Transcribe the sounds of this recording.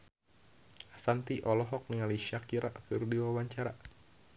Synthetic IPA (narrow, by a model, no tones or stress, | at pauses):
asant̪iʔɔlɔɦɔk̚niŋaliʃakiɾa̰ʔkɨrdiwawaɲt͡ʃaɾa